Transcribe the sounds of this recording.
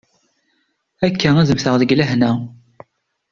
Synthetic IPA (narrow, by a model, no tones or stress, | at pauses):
ækːææðəmθəʁðəɡlæɦnæ